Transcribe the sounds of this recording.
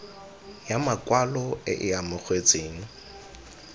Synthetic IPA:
jamakʼwalɔɪ̰ʔɪamʊk͡xʰwet͡sʼeːŋ̩

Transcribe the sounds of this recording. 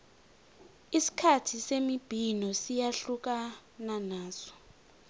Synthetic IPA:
isi̥kʰatʰisemib̥ʱinɔsijaɬuk̬ananaːsɔ̥

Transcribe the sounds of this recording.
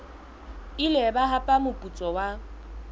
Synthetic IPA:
ilɛbaɦapʼamʊpʼut͡sʼɔwa

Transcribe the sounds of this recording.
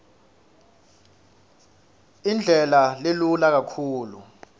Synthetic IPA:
ind͡ɮʱɛlalelulak̬akʰuːlṵ

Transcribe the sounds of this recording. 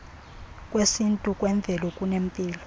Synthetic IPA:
kʼwesintʼukʼwɛɱvʱɛlɔkʼunempʼiːlɔ

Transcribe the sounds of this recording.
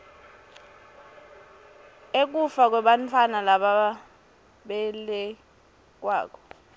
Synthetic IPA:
ek̬ʼufak̬wɛɓantʰwanalaɓa | ɓɛlɛ | k̬ʼwa̰ːk̬ʼɔ̥

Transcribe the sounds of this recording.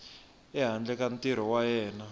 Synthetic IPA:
ɛɦand͡ɮɛkantiɾ̤ɔwajɛːna

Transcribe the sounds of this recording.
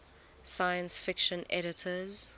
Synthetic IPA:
sajə̃nsfɪkʃə̃nɛɾɪtʰəz

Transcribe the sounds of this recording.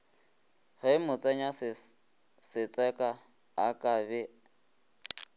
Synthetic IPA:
ɣemʊt͡sʼɛɲas | sɪt͡sʼɛkʼa | akʼabɛ

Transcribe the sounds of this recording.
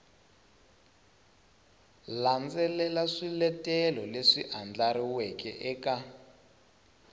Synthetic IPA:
land͡zɛlɛlaʂilɛtɛlɔleʂiʔand͡ɮaɾiwɛkɛ̰ʔɛka

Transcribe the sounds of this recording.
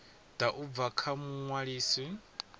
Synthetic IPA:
d̥aʔub̪vakʰamuŋwaɺiːsi

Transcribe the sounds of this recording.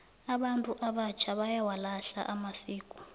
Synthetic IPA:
aɓantʼuʔaɓat͡ʃʰaβajawalaɬa̰ʔamasiːkʼu̥

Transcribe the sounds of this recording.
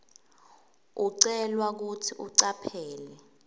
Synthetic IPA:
uǀɛlwak̬utʰiuǀapʰɛːlɛ

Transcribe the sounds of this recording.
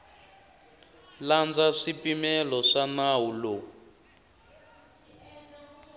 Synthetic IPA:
land͡zaʂipimɛlɔʂanawulo

